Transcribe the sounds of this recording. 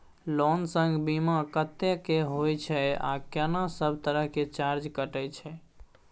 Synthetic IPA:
lɔnsə̃ŋɡbimakət̪ːekeɦojt͡ʃʰɛa̰kanasəbʱt̪əɾəɦket͡ʃaɾd͡ʒkəʈɛt͡ʃʰɛ

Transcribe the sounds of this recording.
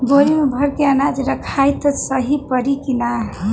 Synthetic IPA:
boɾimebʱʌɾkeənad͡ʒɾʌkʰajt̪ʌsʌɦipʌɾikina

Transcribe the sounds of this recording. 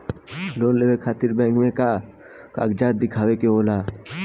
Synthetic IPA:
loːnleːʋekʰaːt̪ɪɾbɛ̃ːŋkmẽka | ka̰ːɡd͡ʒaːt̪̚d̪ɪkʰaːwekeoːlaː

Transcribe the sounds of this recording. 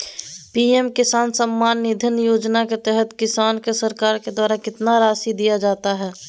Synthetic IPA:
piːɛmkɪsaːnsəmːaːnːɪd̪ʱɪnjoːd͡ʒnaket̪ɛɦət̪kɪsaːnkesəɾkaːɾked̪waːɾakɪt̪naɾaːsid̪ijad͡ʒaːt̪aɦɛː

